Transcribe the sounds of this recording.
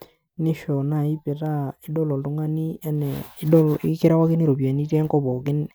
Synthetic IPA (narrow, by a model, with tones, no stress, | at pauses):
nɪ˦ʃɔ˨na˦˨i˦pɪ˨ɾa˦ɪ˦dɔ˦lɔ˨ltʊ˦ŋa˦ni˦ɛ˦nɛ˨˦ɔ˦lkɪ˦ɾa˦wa˦kɪ˦ni˦ɾo˨bja˨ni˦tɛ˦ŋkɔ˦bɔ˨kɪ˦n